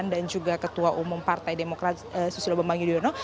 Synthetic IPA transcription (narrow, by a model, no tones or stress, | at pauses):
ndand͡ʒuɡakət̪uaʔumʊmpart̪ajdemokɾat̪̚əsusilobambaŋɡidujonɔ